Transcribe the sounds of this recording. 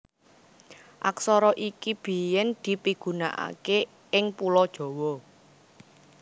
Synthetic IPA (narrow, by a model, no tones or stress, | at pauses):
ʔa̰ksɔɾɔʔikib̥i̤jɛnd̪̥i̤piɡ̥ṳna̰ʔa̰ke | ɪŋpulɔd̥ʒ̥ɔ̤wɔ